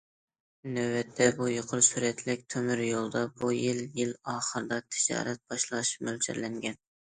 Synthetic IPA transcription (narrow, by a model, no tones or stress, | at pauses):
nøwɛt̪ʰːɛbujoqʰəɾsuɾɛt̪ʰlɪk̚ʲt̪ʰømyɾjolˠd̪ɑbujiljɪlɑːχəɾɨd̪ɑt̪ʰɪ̥d͡ʒɑ̰ːɾɛt̪̚b̥ɑʃlˠɑʃpmølt͡ʃʰæ̰ɾlɛŋɡʲɛn